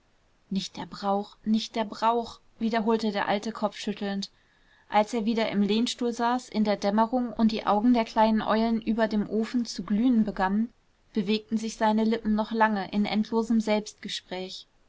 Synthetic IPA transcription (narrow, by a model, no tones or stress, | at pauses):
nɪçt̚d̥eːɐbʁaʊxnɪçt̚d̥eːɐbʁaʊx | viːdɐɦoːltədeːɐʔaltəkʰɔp͡fʃʏtʰl̩nt | ʔalseːɐviːdɐʔɪmleːnʃtuːlzaːsʔɪndeːɐdɛməʁʊŋʊnt̚d̥iːʔa̰ʊɡŋ̩deːɐkl̥aɪnənʔɔ̰ʏlənʔyːbɐdeːmʔoːfn̩t͡suɡlyːənbəɡanən | b̥əveːk̚tn̩zɪçz̥aɪnəlɪpm̩nɔχlaŋəʔɪnʔɛ̰ntʰloːzəmzɛlpst̚ɡ̥əʃpʁ̥ɛːç